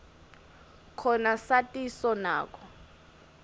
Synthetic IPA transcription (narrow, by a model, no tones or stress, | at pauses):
kʰɔnasatʼisɔna̰ːk̬ʰʼɔ